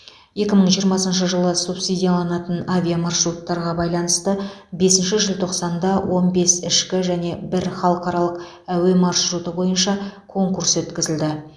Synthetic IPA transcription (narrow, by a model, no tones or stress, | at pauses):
je̞kʲɪməɴʒijəɾmɑsənʃ̬əʒəlˠəsupsid̪ʲijalˠɑnɑt̪ənavʲijamɑrʃɾut̪ːɑɾʁɑbɑjlˠɑnəst̪əbe̞sɪnʃɪʒɪlˠt̪ʰo̞qsɑnd̪ɑwʔo̞nbe̞sɪʃkʲɪʒæne̞bɪɾχɑlˠəqɑɾɑlˠəq | æwe̞mɑrʃɾut̪əbo̞jənʃɑkʰo̞ŋkurswɵt̪kʲɪzɪld̪ɪ